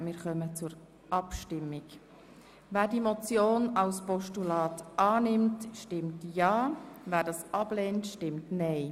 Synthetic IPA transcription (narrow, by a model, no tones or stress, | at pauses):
mɪːɾχœmət͡sʊɾ | ʔɑpʃtɪmːɪk | væːɾdimɔt͡sjoːnɑlspɔʃtulɑːtʔɑːnɪmtʃtɪmtjɑːvæːɾdɑːsɑb̥leːntʃtɪmtnɛɪ